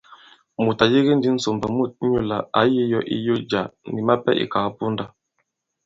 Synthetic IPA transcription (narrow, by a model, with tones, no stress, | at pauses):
mu˨ta˨je˦ɡi˦n˦di˦n̩˦so˨mbɛ˨mu˦˨t̚ɲu˦la˨a˨˦je˦jɔ˦ʔi˦jo˦d͡ʒa˨ni˨ma˦pɛ̰˦ʔḭ˨ka˨˦pu˦nda˦